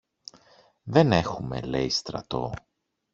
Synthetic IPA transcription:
ðe̞ne̞xume̞̰le̞̰ist̪ɾɐ̰t̪o̞̰

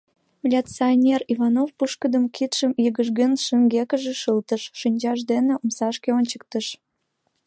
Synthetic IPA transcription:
vʲlʲat͡sionʲerivɑnofpuʃkəd̪əmkʰit̪ʃəmjəɣəʒɣenʃəŋɡekəʒeʃəlt̪əʃːinʲd͡ʑɑʒd̪eneʔomsɑʃkeonʲt͡ɕək̚t̪əʃ

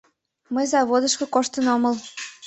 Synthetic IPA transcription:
məjzɑβod̪əʃkŏkoʃt̪ənoməl

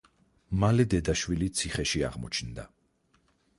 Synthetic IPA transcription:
malɛd̪ɛd̪aʃwilit̪sʰiχɛʃia̰ʁmɔ̰t͡ʃʰnd̪a̰

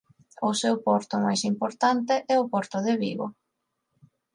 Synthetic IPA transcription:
ʊsewpɔɾt̪ʊmajsimpoɾt̪ant̪ɪʔɛʊpɔɾt̪ʊðɪβḭβʊ̰

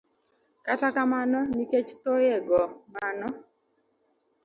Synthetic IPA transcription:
katakamanɔniket͡ʃt̪ojɛɡɔmanɔ

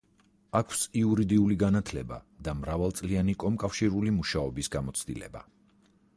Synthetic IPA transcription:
akʰsiuɾid̪iuliɡanat̪ʰlɛba̰d̪amɾavalˠt̪sʼlianikʼɔmkʼafʃiɾulimuʃaɔbisɡamɔt̪sʰd̪ḭlɛ̰ba̰

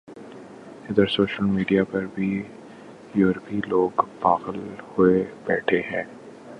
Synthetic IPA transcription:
ɪd̪əɾsoːʃəlmiːɖijapɐɾbʱi | jɔːɾpiloːɡpaːɣəlhʊebɛːʈʰeɦɛ̃ː

